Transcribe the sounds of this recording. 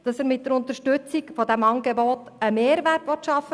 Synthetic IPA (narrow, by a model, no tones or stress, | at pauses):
d̥ɑsɛːɾmɪt̚d̥ɛɾʊnt̪əʃtʉt͡sikfɔdæmɑŋɡeboːt | əmeːɾʋærtʋɔtʃɑfə